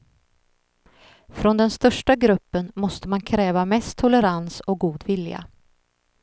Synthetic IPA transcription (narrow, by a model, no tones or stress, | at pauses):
fɾɔnd̪ɛnst̪œʂʈaɡɾɵpːənmɔst̪əmankʰɾɛːvamɛst̪ʰːʊləɾansɔk̚ɡuːd̪vɪlja̰